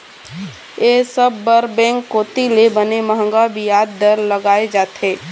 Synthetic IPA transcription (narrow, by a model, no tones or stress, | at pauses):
eːsəbːəɾbɛ̃ːŋkːoːt̪ilebəneməɦə̃ŋɡabijaːd̪ːəɾləɡaːed͡ʒaːt̪eː